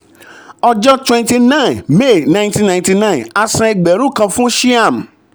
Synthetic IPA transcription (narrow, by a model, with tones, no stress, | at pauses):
ɔ˧d͡ʒɔ˦twɛ̃˧nti˧nã˦˨me˦˨nã˧j̃ntĩ˦nã˧ĩti˧nã˦˨na˧sã˧ɛ˧ɡ͡bɛ˨˦ɾũ˦˨kã˧fũ˦ʃi˦a˦˨m˨